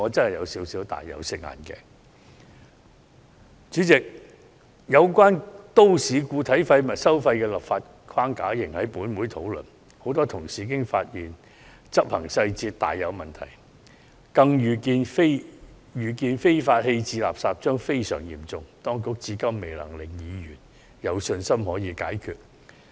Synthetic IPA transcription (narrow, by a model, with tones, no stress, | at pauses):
ŋɔː˨˧t͡sɐ˥nhɐ˨˩jɐ˨˧wsiː˨˥wsiː˨˥wt̪a̰ː˨jːɐ̰˨˧wsɪ˧k̚ŋa̰ː˨nkɛ̰ː˧ | t͡ʃyː˨˥t͡sɪ˨k̚ | jɐ˨˧wkʷaː˥nt̪o˥wsiː˨˧kuː˧t̪ʰɐ˨˥jfɐ˧jmɐ˨˩t̚sɐ˥wfɐ˧jkɛː˧lɐ˨˩p̚faː˧t̚ | kʰwaː˥ŋkaː˨˥jɪ˨˩ŋhɐ˨˥jpuː˨˥nmuː˨˥jt̪ʰo˨˥wlɵ̰˨n | ho˨˥wt̪ɔː˥t̪ʰʊ˨˩ŋsiː˨˩k̬ɪ˥ŋfaː˧t̚jiː˨˩n | t͡sɐ˥p̚hɐ˨˩ŋsɐ˧jt͡siː˧tt̪ːa̰ː˨jːɐ˨˧wmɐ˨˩nt̪ʰɐ˨˩j | kɐ˧ŋjyː˨˩kiː˧nfe˥ | jyː˨˩k̬iː˧nfe˥jfaː˧t̚he˧jt͡siː˧la̰ː˨p̚saː˨p̚t͡ʃœː˥ŋfe˥jsœː˨˩ŋjḭː˨˩mt͡sʊ˨ŋt̪ɔː˥ŋkʊ˥k̚t͡siː˨˥kɐ˥mːe˨jlɐ̰˨˩ŋlɪ˨˩k̚jiː˨˧jyː˨˩n | jɐ˨˧wsɵ˧nsɐ˥mhɔː˨˥jiː˨˧kaː˨˥jkʰyː˨˧t̚